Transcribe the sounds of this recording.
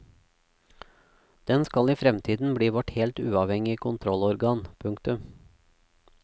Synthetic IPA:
d̪̥ɛnskɑliːfɾɛmt̪ʰiːd̪n̩bɽiːʋɔʈhɛːlt̪ʉ̰ːɑːʋhɛŋɪkʰʊnt̪ʰɾɔlɔɾɡɑːnpʰʉŋkt̪ʉm

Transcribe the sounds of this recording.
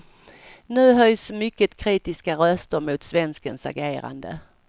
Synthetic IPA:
nʉ̟ːɦœjsmʏkːət̪kʰɾiːt̪ɪskaɾœst̪əɾmʊːt̪svɛnskənsa̰ɾɡeːɾa̰nd̪ə̰

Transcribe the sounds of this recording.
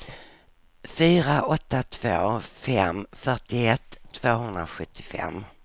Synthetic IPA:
fyːɾaʔɔt̪ːat̪ʰv̥oːfɛmfœʈɪɛt̪ʰːv̥oːɦɵnd̪ɾaɧɵt̪ʰːɪ̥fɛ̰mː

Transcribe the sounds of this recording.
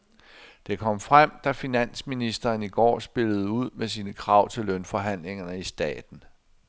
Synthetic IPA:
d̥e̝kʰɒ̽m̰fʁam̰d̥æfinæn̰sminisd̥ɐːniɡ̥ɒ̰ːsb̥e̝ləð̞̩ˠuð̞̰ˠmes̬iːnəkʰʁɑ̈ʊ̰t͡sʰe̝lːœnfɒ̽ɦæn̰le̝ŋɐnəisd̥ɛ̰ːd̥n̩

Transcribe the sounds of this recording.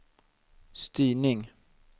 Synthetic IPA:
st̪yːɳɪŋ

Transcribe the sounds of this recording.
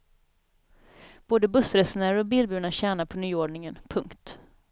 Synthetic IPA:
b̥oːd̪əbɵsɾɛsnæɾɔbiːlbʉ̟ːnaɕæːɳapʰɔnyːoːɖɳɪŋənpʰɵŋkt̪

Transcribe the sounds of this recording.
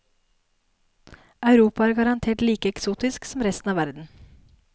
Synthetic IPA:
ɑʉɾuːpɑɑːɾɡɑɾɑnt̪ʰeːʈliːkəɛksuːt̪ɪsksɔmɾɛst̪n̩ɑːʋæɾd̪n̩

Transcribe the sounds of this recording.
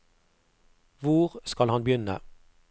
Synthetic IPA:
ʋʊʁskɑlhɑnbjʏnə̰

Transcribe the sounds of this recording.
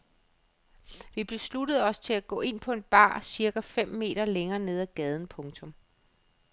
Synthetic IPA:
ʋib̥e̝slud̥əð̞̩ˠɒ̽st͡sʰe̝læɡ̥ɔ̰̽ːe̝n̰pʰɒ̽e̝d̥̚b̥ɑ̰̈ːsiɐɡ̥æfem̰me̝̰ːɾ̥ɐleŋɐːne̝ð̞ˠæɡ̥ɛːð̞ˠn̩pʰɔ̽ŋt͡sʰɔ̽m

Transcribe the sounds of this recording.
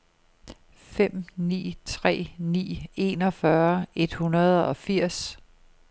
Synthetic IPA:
fem̰nḭːt͡sʰʁɛ̰ːnḭːe̝̰ːnɒ̽fɶɐe̝d̥hunɐð̞ˠɒ̽fiɐ̰s

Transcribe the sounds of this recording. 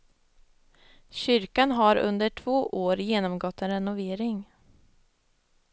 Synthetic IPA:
ɕʏɾkanɦaɾɵ̰nd̪əʈʰv̥oːʔoːɾjeːnɔmɡɔt̪ːɛnɾɛnʊveːɾɪŋ

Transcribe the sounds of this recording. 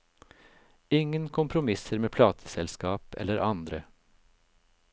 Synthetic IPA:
ɪŋːənkʰʊmpʰɾʊmɪsəɾmeːpʰlɑːt̪ʰə̥sɛlskɑːpɛ̰lːəɾʔɑnd̪ɾə

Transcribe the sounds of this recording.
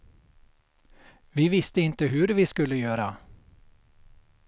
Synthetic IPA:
vɪvɪst̪əɪnt̪əɦɵɾvɪskɵlːəjøːɾa

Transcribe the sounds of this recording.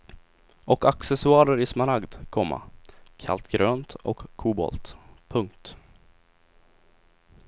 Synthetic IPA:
ʔɔkaksɛsʊɑːɾəɾɪsmaɾaɡd̪kʰɔmːa̰kʰa̰lt̪ɡɾøːnt̪ɔ̰kʰːuːbɔ̰lt̪pʰɵŋkt̪

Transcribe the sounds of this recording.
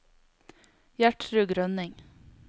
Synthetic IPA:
jæʈɾʉːɡɾœnɪŋ

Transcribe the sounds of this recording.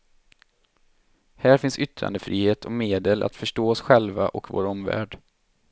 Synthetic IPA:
hæːɾfɪnsʏt̪ɾa̰nd̪əfɾiːheːt̪ʰɔmeːd̪əlʔa̰t̪fœʂʈoːɔsɧɛlvaʔɔkvo̰ːɾɔmvæ̰ːɖ

